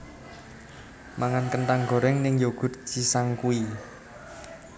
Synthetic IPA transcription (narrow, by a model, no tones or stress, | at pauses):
maŋankənʈ̪aŋɡo̤ɾɛŋnɪŋjoɡ̥ʊ̤t̪̚t͡ʃisaŋkui